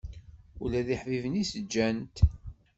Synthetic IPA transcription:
ʊlæðiħvivənisəd͡ʒːænt̪

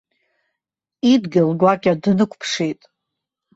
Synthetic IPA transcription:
idɡʲalɡʷakʲʼadnɨkʷʰʼpʰʂitʼ

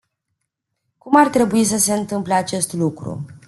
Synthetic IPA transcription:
kumart̪ɾe̞buis̬əseɨnt̪ɨmpleat͡ʃe̞st̪lukɾṵ

